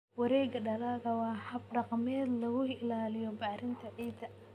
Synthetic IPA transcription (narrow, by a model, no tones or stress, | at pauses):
wɑɾɛːɡɐɖɐlaːɣɐwɑːħɐb̚ɖɑqmɛːd̪lɐɣʊɪlaːlɪjɔbaːɾɪnt̪ʰɐʕiːd̪ɐ